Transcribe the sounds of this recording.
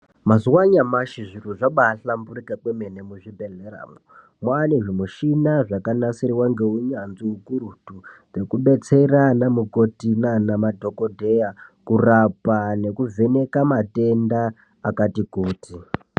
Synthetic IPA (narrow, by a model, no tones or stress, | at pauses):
mazuwaɲamaʃiʐiruʐaɓaɬambuɾikakweme̞nemuʐibʱe̞ɮeɾa̰ːmo | mwaneʐimuʃinaʐakanasiɾiwaŋɡe̞uɲanziukuɾutud͡ze̞kuɓe̞t͡seranamuko̞tinanamadʱo̞kodʱe̞jakurapane̞kuvʱe̞ne̞kamate̞ndaː | katikuːti